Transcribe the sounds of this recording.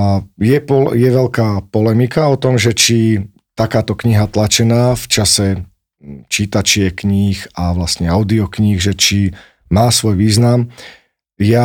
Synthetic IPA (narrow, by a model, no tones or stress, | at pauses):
jɛpɔjɛʋɛʎkaːpɔlɛmikaɔt̪ɔmʒɛt͡ʃi | t̪akaːt̪ɔkɲiɦat̪lat͡ʃɛnaːft͡ʃasɛ | t͡ʃiːt̪at͡ʃɪɛkɲiːxaʋlast̪ɲɛaʊd̪iɔkɲiːɣʒɛt͡ʃi | maːsʋɔjʋiːznam | ja